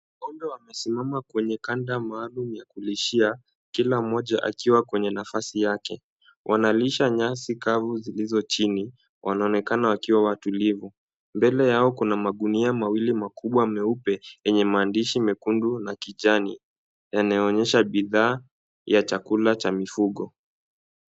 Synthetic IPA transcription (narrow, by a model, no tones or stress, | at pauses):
ɔmbɔwamɛsimamakwɛɲɛkandamaːlumujakuliʃia | kilamɔʄaʔa̰kiwakwɛɲɛnafasijakɛ | wʔanaliʃaɲasikavuzilizɔt͡ʃini | wʔanaɔnɛkanawakiwawatulivu | mbɛlɛjaɔkunamaɠuniamawilimakʰuɓwamɛupɛjɛɲɛmaːndiʃimɛkundunakiʄani | janajɔɔɲɛʃaɓiðaː | jat͡ʃakulat͡ʃamifuɠɔ